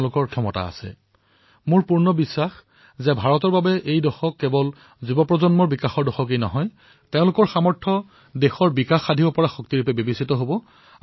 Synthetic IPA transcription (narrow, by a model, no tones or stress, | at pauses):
lʊkɔɹkʰjɔmɔta̰a̰sɛ̰ | mʊɹpuɹnɔbisːax | zɛbʱaɹɔtɔɹbabɛʔejdɔxɔkːɛbɔl | zubɔpɹɔzɔnmɔɹbikaxɔɹdɔxɔk̬ejnɔ̰ɦɔj | teʊ̃lʊkɔɹxamɔɹtʰɔ | dexɔɹbikaxadʱibɔpɔɹaxɔk̚tiɹupɛbebisitɔɦobɔ